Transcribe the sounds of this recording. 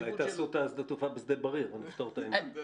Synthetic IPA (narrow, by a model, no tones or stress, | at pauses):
ajt̪asut̪azd̪at̪ufabezd̪elbaʁiʁonift̪oʁt̪aim